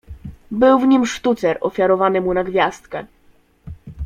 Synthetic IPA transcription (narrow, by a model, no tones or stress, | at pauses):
bɘwvɲimʂt̪ut̪sɛɾɔfʲjaɾɔvanɘmunaɡvʲjast̪̚kɛ